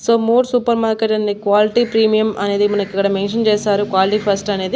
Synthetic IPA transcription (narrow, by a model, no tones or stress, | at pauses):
soːmoːɖsuːpɐɾmaːɾkeʈːɐnːekʋaːlɪʈipɾiːmɪjɐmʔɐ̰neðɯmʊnɐkːɯkːɐɽɐmeːnʂɐnt͡ʃeːsaːɾɯkʋaːlɪʈifɐsʈɐːneðɯ